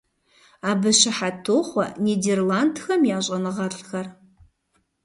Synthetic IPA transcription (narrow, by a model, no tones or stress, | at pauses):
aːbɨɕɪħatʰoːχʷɔ̰niːdeːrlaːndxɐmjaːɕʼɐnɨʁɐɬʼxɐr